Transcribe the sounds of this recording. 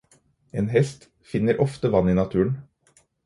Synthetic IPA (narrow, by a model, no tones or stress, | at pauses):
eːnhɛst̪ | fɪnəɾʔɔft̪əʋɑniːnɑt̪ʰʉːəɳ